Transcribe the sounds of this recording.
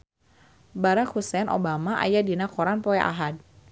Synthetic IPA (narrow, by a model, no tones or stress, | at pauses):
baɾakhusɛnʔo̰bamaʔa̰jadinakɔɾanpɔɛʔa̰ɦad̚